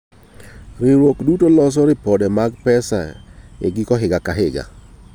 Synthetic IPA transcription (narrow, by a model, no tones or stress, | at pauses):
ɾɪɾwokdutolɔs̬ɔɾɪpɔdɛmaɡpɛsa̰ḛɡɪkɔɦɪɡakaɦɪɡa̰